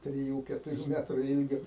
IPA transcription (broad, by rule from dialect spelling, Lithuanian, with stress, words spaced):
tʲrʲɪˈjuː kʲɛtʊˈrʲuː ˈmʲæːtrʊ ˈɪlʲɡʲoː